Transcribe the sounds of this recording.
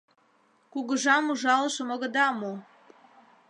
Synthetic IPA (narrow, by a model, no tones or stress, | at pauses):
kuɣə̆ʒɑmuʒɑləʃə̆moɣə̆d̪ɑmo